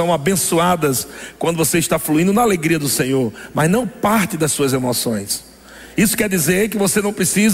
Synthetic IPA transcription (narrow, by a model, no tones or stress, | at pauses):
ɐ̃w̃abẽsuad̪ɐskwɐ̃nd̪ʊvoseiʃt̪afluĩnd̪ʊnɐaleɡɾiɐd̪ʊsẽɲoɾmɐznɐ̃w̃paɾt̪ɪd̪ɐsːuɐzemɔsõ̰j̃s | isʊ̥kɛɾd̪izeɾk̬ɪvosenɐ̃w̃pɾesiz